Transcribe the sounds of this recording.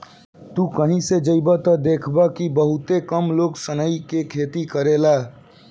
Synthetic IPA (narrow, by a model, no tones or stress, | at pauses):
t̪ukəɦĩsed͡ʒəibat̪ɔd̪eːkʰbakibəɦʊt̪ekəmloːɡsənəikekʰeːt̪ikəɾela